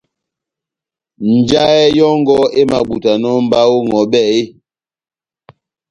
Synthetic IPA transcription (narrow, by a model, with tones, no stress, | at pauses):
n̩˨d͡ʒa˦ɛ˦jɔ˦ŋ˦ɡɔ˦e˦ma˨ɓu˨ta˨nɔ˦m̩˨˦ba˦wo˦ŋɔ˨ɓɛ˦˨e˦